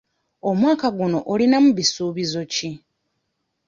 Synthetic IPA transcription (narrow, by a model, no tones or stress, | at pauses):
o̞mwaːkaɡuno̞ʔolinamuβisuːβizo̞ci